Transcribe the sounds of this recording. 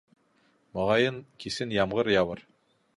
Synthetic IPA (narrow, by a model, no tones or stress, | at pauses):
moʁɑjɤnkʰisɘnjɑmʁɤɾjɑβɤɾ